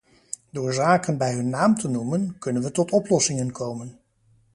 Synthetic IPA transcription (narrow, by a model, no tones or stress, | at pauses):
dʊːɹzaːkənbɛjɦɵnːaːmtʰənumənkɵnənʋətɔtɔplɔsɪŋənkʰowmən